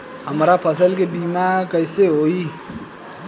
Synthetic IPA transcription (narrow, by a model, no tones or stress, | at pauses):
ɦəmɾapʰəsəlkebimakəɪseɦoi